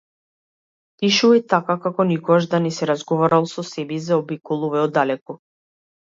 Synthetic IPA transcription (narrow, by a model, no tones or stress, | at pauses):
piʃuit̪akakakɔnikɔɡaʒd̪anɛsɛɾazɡɔvaɾalˠsɔsɛbizaɔbikɔlˠuvɛɔd̪alɛkɔ